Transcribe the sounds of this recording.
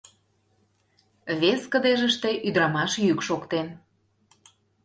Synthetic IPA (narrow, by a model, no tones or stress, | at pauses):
βeskəd̪eʒəʃt̪e̽ʔyd̪ɾɑmɑʃjykʃokt̪en